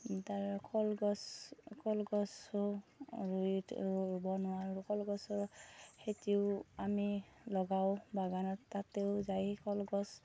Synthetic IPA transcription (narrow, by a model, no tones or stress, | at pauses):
taɹkʰɔlɡɔskʰɔlɡɔsɔɹuitɹbɔnʊwaɹkɔlɡɔsɔɹxetiʊamilɔɡaʊbaɡanɔtːateʊzajkɔlɡɔs